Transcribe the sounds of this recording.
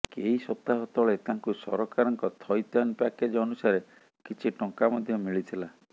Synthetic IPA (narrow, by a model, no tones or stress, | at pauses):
keisɔp̚t̪aɦɔt̪ɔɭet̪aŋkusɔɾɔkaɾɔŋkɔt̪ʰɔjt̪anpaked͡ʒɔnusaɾe | kit͡ʃʰiʈɔŋkamɔd̪ʱjɔmiɭit̪ʰila